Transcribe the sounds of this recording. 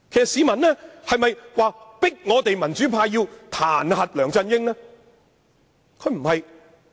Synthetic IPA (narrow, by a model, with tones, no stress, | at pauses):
kʰːsɐ˨siː˨˧mɐ˨nlɛː˥hɐ˨jmɐ˨jwaː˨˧pɪ˥k̚ŋɔː˨˧t̪e˨jmɐ˨˩nt͡ʃyː˨˥pʰaː˧jiː˧wt̪ʰaː˨˩nhɐ˨t̚lœː˨˩ŋt͡sɐ˧njɪ˥ŋnɛː˥ | kʰɵ˨˧˥m̩˨˩hɐ˨j